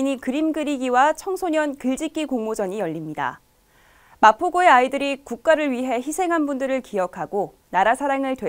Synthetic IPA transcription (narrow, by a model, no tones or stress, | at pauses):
ɲikɯɾimɡɯɾiɡiwat͡ɕʰʌŋsʰoɲʌnkɯɭd͡ʑik͈ikoŋmod͡ʑʌɲijʌʎːimɲida̰ | mapʰoɡoe̞aidɯɾikuk̚k͈aɾɯɭɥiɦe̞çisʰe̞ŋɦanbundɯɾɯɭkijʌkʰaɡo | naɾasʰaɾaŋɯɭtwe